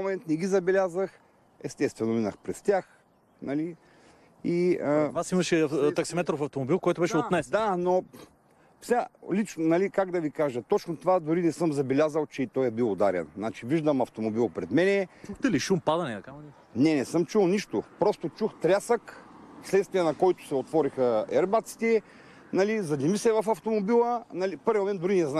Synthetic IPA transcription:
momɛnt̪nɛɡʲizɐbɛlʲazəx | ɛst̪ɛst̪vɛnʊinɐxpɾɛst̪ʲjax | nɐli | iəvasimɐʃɛt̪ɐksimɛt̪ɾofɐft̪omobilˠkɔjt̪obɛʃɛot̪nɛsd̪ano | fsʲalit͡ʃnonɐlikaɡd̪ɐvikaʒət̪ɔt͡ʃnot̪ovad̪ʊɾinɛsɤmzɐbɛlʲazəlˠt͡ʃɛit̪ɔjɛbilˠod̪aɾɛ̰nnat͡ʃiviʒd̪ɐmɐft̪omobilˠpɾɛd̪mɛnɛt͡ʃuxt̪ɛliʃumpad̪ɐnɛt̪ | nɛnɛsɤmt͡ʃulˠniʃt̪opɾɔst̪ot͡ʃuxt̪ɾʲasək | slɛt̪st̪vijɐnɐkɔjt̪ʊ̥sɛot̪vɔɾixəɛɾbat̪si̥t̪ɛ | nɐlizɐd̪nʲimisɛvɐfɐft̪omobilˠənɐlipɤɾvʲjimõmɛnd̪d̪ʊɾinɛzna

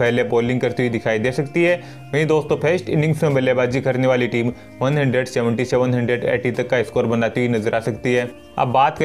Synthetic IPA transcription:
pɛɦleboːlɪ̃ŋɡkɐɾt̪iɦid̪ɪkʰaːid̪eːsɐkt̪iɦɛː | mɐɦĩd̪oːst̪õpʰeːsʈɪ̰̃nɪ̃ŋɡsmẽbɛlebaːd͡ʒikɐɾneʋaːliʈiːm | ʋɐnɦɐ̃ɳɖɾəɖsɛʋə̃ɳʈiseʋənɦɐ̃ɳɖɾəɖɛ̰ːʈit̪ɐkːaɪskoːɾbɐnaːt̪iɦinɐzəɾʔaːsɐkt̪iɦɛː | ɐ̰bːaːt̪kɐ

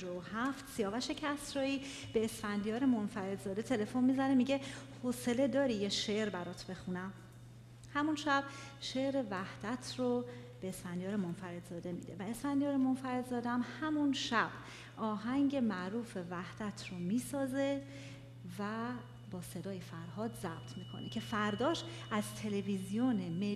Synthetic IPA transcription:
d͡ʒoohæft̪sijɒːvæʃe̞cʰæsɾɒːjiː | b̥e̞ːsfænd̪ijɒːɾemonfæɾe̞d̪zɒːd̪e̞t̪ʰe̞le̞fo̞nmiːzænemiɟe̞hose̞led̪ɒːɾijeʃeɾbæɾɒːt̪ʰbe̞xunæm | hæmunʃæb̥̚ | ʃe̞ʔɾe̞væhd̪̥æt̪ʰɾob̥eːspænd̪jɒːɾemonfæɾe̞d̪zɒːd̪e̞mḭːd̪e̞̰væespænd̪jɒːɾemo̞nfæɾe̞d̪zɒːd̪eæmhæmunʃæb̥ | ʔɒːɦæŋɟe̞mæʔɾuːfe̞væhd̪̥æt̪ʰromiːsɒːze̞ | væ | bɒːse̞d̪ɒːjefæɾɦɒːd̪zæb̥̚t̪ʰmiːkʰo̞̰necʰe̞fæɾd̪ɒːʃʔæzt̪ʰe̞levizijoneme

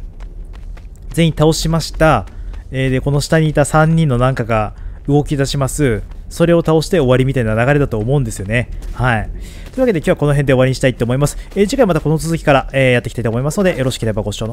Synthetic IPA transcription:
zẽĩt̪ao̞ɕimaɕi̥t̪aeːd̪eko̞no̞ɕi̥t̪aɲ̟iːt̪asãɲ̟ːĩnːo̞nãŋkaɡaɯ̟ɡo̞kʲid̪aɕimasɨso̞ɾe̞o̞t̪ao̞ɕi̥t̪e̞o̞βaɾʲimʲit̪ainanaɡaɾe̞d̪at̪o̞ːmo̞ɯ̃nd̪e̞sɨjo̞ne̞hai | t̪oi̟βaked̪e̞kʲoako̞no̞ɦend̪e̞o̞βaɾʲiɲ̟iɕi̥t̪ait̪ːeoːmo̞imasɨ̥eːʑikaimat̪ako̞no̞t͡sɨzɨkʲi̥kaɾaeːjat̪ːkʲi̥t̪ait̪omo̞imasɨno̞d̪e̞jo̞ɾo̞ɕi̥kʲiɾabaɡo̞ɕɕo̞no

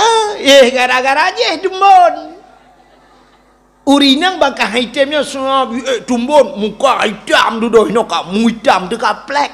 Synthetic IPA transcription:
əehɡaɾaɡaɾad͡ʒehdəmɔn | uɾinaŋbakaɦaitemɲasunabietumbonmukaa̰itamdudoinɔkamuitamtəkaplɛk̚

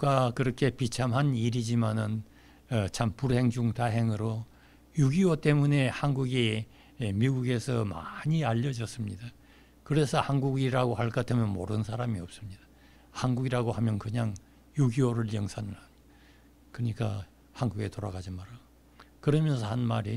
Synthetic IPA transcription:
kwakɯɾʌkʰe̞pit͡ɕʰamɦaniɾid͡ʑimanɯn | t͡ɕʰampuɾhe̞ŋd͡ʑuŋtaɦe̞ŋɯɾo | juɡiwot͈e̞mune̞hanɡuɡiː | miɡuɡe̞sʰʌma̰ɲiaʎːʌd͡ʑʌs͈ɯmɲida | kɯɾe̞sʰʌhanɡuɡiɾaɡohaɭk͈at͈emjʌnmoɾɯnsʰaɾamiʌp̚s͈ɯmɲid̥ḁ | hanɡuɡiɾaɡohamjʌnkɯɲaŋ | juɡiwoɾɯɭjʌŋsʰanɯɭan | kɯɲik͈a | hanɡuɡe̞toɾaɡad͡ʑimaɾa | kɯɾʌmjʌns̬ʰʌhanmaɾi

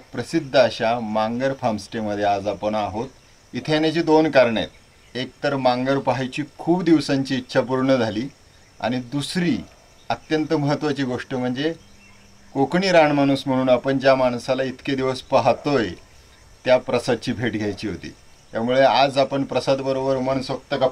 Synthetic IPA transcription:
pɾəsid̪ʱːəɕamãŋɡəɾpʰamsʈeməd̪ʱːjead͡zapəɳaɦot̪ | it̪ʰenjat͡ɕiːd̪onkaɾɳḛt̪ | ek̚t̪əɾmãŋɡəɾpaɦajt͡ɕiːkʰuːbd̪iʋsaɲt͡ɕiːtːɕʰap̬uɾɳəd͡zʱaliː | a̰ɽ̃id̪usɾiː | ət̪jənt̪əməɦət̪ːʋat͡ɕiːɡoʂʈəm̤əɳd͡ze | kokɳiːɾaɳmaɽ̃uːsm̤əɽ̃uːnapəɳd͡ʑjamaɳsalait̪ked̪iʋəspaɦt̪oj | t̪japɾəsad̪̚t͡ɕiːbʱeʈɡʱjajt͡ɕiːɦot̪ḭː | t̪jamuɭead͡zapəɳpɾəsad̪bəɾobəɾuməɳsək̚t̪əka

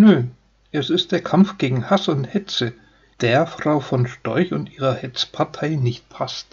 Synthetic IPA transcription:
nøː | ʔɛsɪst̚d̥eːɐkʰamfɡ̥eːɡŋ̩hasʊnthɛt͡sə | d̥eːɐfʁ̥aʊfɔnʃtɔʏçʊntʔiːʁɐhɛt͡spʰaɐtʰaɪnɪçt̚pʰast

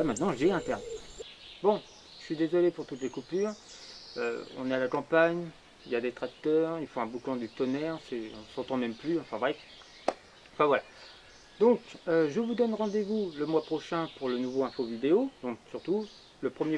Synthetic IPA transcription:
amɛ̃t̪nɑ̃ʒɛɛ̃t̪ɛʁm | bɔ̃ | ʒəʃɥid̪ezɔlepuʁt̪ut̪lekupyːʁø̰ɔ̰̃nealakɑ̃paɲ | iljad̪et̪χak̚t̪œʁilfɔ̃ɛ̃bukɑ̃d̪yt̪ɔnɛʁsɛɔ̃sɑ̃t̪ɑ̃mɛmplyɑ̃fɛ̃vʁɛf | ɑ̃fɛ̃vwala | d̪ɔ̃køʒəvud̪ɔnʁɑ̃d̪evuləmwapχɔʃɛ̃puʁlənuvoɛ̃fovid̪eod̪ɔ̃ksyʁt̪u | ləpχəmje

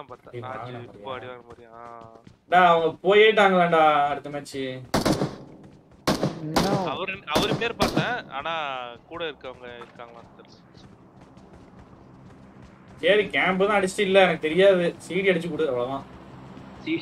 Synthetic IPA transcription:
apãia̰ːŋɡɐnɐmːɾɪjːɐmːɾj | ɳɖaːɐʋɐŋɡɐpoːjeːʈːaːŋɡɐɭeːɳɖaːɐɽɯt̪ːɐmeːt͡ʃːɯ | ɐʋɐɾnɐʋɐɾɯmeːɾpaːɾt̪ẽːaːnaːkuːɽɐɪɾɯkːɯɐʋɐŋɡɐɪɾɯkːaːŋɡɐlaɐɐl | seːɾikaːmbɨðãːɐɽt͡ɕːʈːɯɪlːɐɛnɐkːɯt̪ɛɾɪjaːðɯsiːʈiɐɽɯt͡ʃːɯkːuːɽɯðɐʋɐɭɐʋãː

